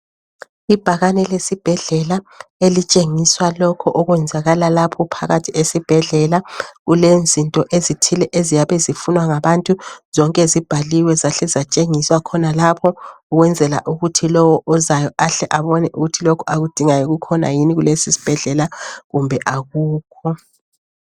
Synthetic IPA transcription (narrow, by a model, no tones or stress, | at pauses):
ib̥ʱaɣanɛlesib̥ʱɛɮɛlaelit͡ʃʼeŋiswalɔkʰɔʔɔɣwɛnd͡zʱaɣalalapʰɔpʰa̰ɣatʰiʔesib̥ʱɛɮɛlaɣulend͡zʱintʼɔʔezitʰilɛʔezijaβɛzifunwaŋaβantʼuz̥ɔŋkʼezib̥ʱaliwɛzaɬɛzat͡ʃʼeŋiswakʰɔnalapʰɔ | uɣwɛnd͡zʱɛla̰ʔuɣutʰilɔwɔʔɔzajɔʔaɬɛʔaβɔnɛʔuɣutʰilokʰɔaɣud̥ʱiŋajɔɣukʰɔna̰jiniɣulesisi̥b̥ʱɛɮɛlaɣumbʱɛʔaɣuːkʰɔ